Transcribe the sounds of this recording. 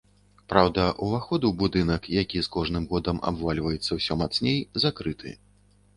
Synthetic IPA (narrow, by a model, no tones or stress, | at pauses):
pɾawd̪ɐʔuvaxɔd̪ubud̪ɨnɐkjakʲiskɔʐnɨmɣɔd̪ɐmʔa̰bvalʲvɐjɛt̪sːɐwsʲɔmat̪snʲejzakɾɨt̪ʰɨ̰